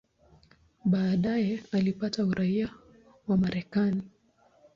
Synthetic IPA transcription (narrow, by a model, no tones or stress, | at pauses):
ɓaːɗajɛalipatauɾaia | wamaɾɛkani